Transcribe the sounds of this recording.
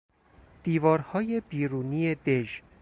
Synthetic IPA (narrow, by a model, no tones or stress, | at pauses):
d̪̥iːvɒːɾhɒːje̞biːɾuːniːe̞d̪e̞ʒ